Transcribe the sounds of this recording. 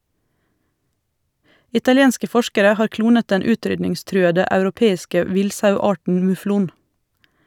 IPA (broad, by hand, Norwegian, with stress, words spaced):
ɪtɑlɪˈeːnskə ˈfɔʃkəɾə ˈhɑːɾ ˈkluːnət ˈdɛn ˈʉːˌtɾʏdnɪŋˌstɾʉːədə ɑʉɾʊˈpeːɪskə ˈʋɪlsɑʉˌɑːʈɳ̩ mʉˈfluːn